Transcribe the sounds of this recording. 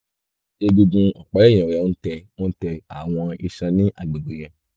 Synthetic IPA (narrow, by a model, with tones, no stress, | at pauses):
e˧ɡu˧ɡũ˧ɔ˨k͡pa˨˦ɛ̃˦˨ɛ̃˨ɛ˨˦o˦n̩˦tɛ˧õ˦tɛ˧a˨w̃ɔ̃˧i˧ʃã˧nĩ˦ʔa˦˨ɡ͡be˨ɡo˨jɛ̃˧